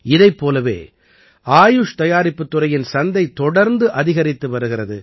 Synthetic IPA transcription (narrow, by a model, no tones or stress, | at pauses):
ɪðɐɪpːoːlɐʋḛː | ʔaːjɯʂt̪ɐjaːɾɪpːɯt̪ːɯɾɐjɪnsɐnd̪ɐɪt̪ːɔɽɐɾnd̪ɯʔɐðɪɣɐɾɪt̪ːɯʋɐɾɯɣɪrɐðɯ